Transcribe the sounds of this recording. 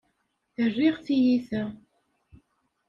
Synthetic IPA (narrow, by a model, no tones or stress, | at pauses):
θərːiʁθijiθæ